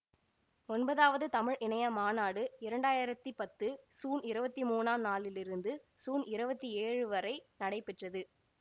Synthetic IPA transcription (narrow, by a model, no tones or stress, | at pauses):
ɔnbɐðaːʋɐðɯt̪ɐmɪɻʔɪnɐjɐmaːnaːɽɯɪɾɐɳɖaːjɪɾɐt̪ːipɐt̪ːɯsuːnɪɾɯbɐt̪ːimuːnaːmnaːlɪlɪɾɯnd̪ɯ | suːnɪɾɯbɐt̪ːieːɻɯʋɐɾɐɪnɐɽɐɪpːɛʈrɐðɯ